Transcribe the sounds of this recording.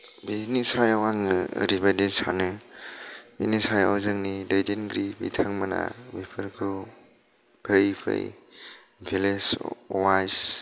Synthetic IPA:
binisajawaŋɯə̰ɾibadisa̰nɯ | b̥ḭnisaja̰wzɯŋnidejdinɡɾibḭtʰaŋmɯna̰bipʰɯɾkʰu | b̥ʰʱejpʰɯ̰j | bʰʱileswajs

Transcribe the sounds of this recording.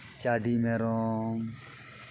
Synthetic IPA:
t͡ʃaːɖiːmeːɾõm

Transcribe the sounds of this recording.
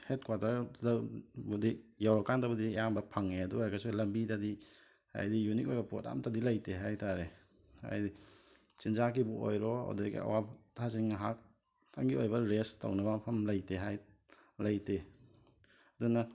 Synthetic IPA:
het̚kwatɐɾdabudijawɾɔkandabɐdijambɐpʰaŋeɐduajkasulɐmbitadi | a̰jdijunik̬̚ojbɐpo̰ta̰mtadilɐjtʰeɦajtaɾe | a̰jdi | t͡ʃinzak̬ibuo̰jɾɔa̰wdakḭa̰wabtʰaziŋɦak̚ | tʰaŋɡiojbɐɾestɐ̰wnɐbapʰɐmlɐjtʰeɦaj | lɐjte | ɐdunɐ

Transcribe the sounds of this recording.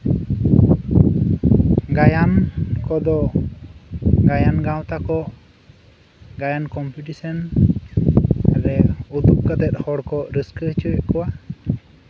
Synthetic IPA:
ɡajankɔd̪ɔ | ɡajanɡãw̃t̪akɔ | ɡajankɔmpuʈisɔn | aɾɛud̪up̚kat̪ɛt̪̚ˀhɔɽkɔɾiskət͡ʃɔɛʔkɔwa

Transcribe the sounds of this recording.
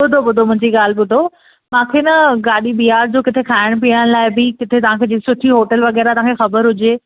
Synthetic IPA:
ɓʊd̪ʱoɓʊd̪ʱomʊ̃ɦɪ̃ɲd͡ʑiɠaːl̤bʊd̪ʱo | mãːkʰenɐɡaːɗibiaːɾd͡ʑoːkɪt̪ʰekʰaːɪɽ̃piəɽ̃laːɪbɪkɪt̪ʰet̪ɐʋ̤ãkʰeːd͡ʑiːsʊʈ̪ʰiɦoːʈəlʋɐɣɛːɾat̪ɐʋ̤ãkʰexɐbəɾɦʊd͡ʑeː

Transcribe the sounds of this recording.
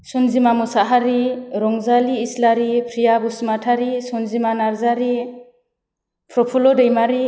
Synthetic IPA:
sunzimamusaɦaɾiɾɔŋzaliːslaɾipʰɾijabusmatʰaɾisunzimanaɾzaɾi | pʰɾɔpʰulɔdejmaɾi

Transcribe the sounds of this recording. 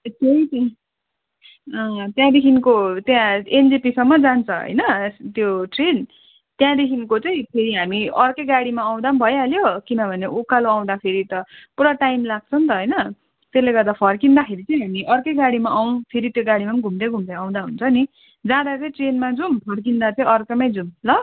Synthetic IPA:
t̪ʌj̃t̪ | ʌt̪jãd̪ekʰinkot̪jãend͡zepisʌmːʌd͡zant͡sʰʌɦʌ̰jnʌst̪joʈren | t̪jãd̪ekʰinkot͡sʌĩpʰeɾiɦamiʌrkʌjɡaɽimaːw̃d̪ambʱʌjaljokinʌbʱʌneukaloaw̃d̪apʰeɾit̪ʌpuɽaʈajmlaɡ̚t͡sʰʌnt̪ʌɦʌjnʌ | t̪esleɡʌrd̪apʰʌrkind̪akʰeɾit͡sʌ̃ĩɦamiʔʌrkʌjɡaɽimaʔaw̃pʰeɾit̪joɡaɽimamɡʱumd̪ʌɡʱumd̪ʌãw̃d̪aɦṵnt͡sʰʌni | d͡zãd̪at͡sʌĩʈrenmad͡zumpʰʌrk̬ind̪at͡sʌ̃ĩʌrkʌmʌjd͡zumlʌ

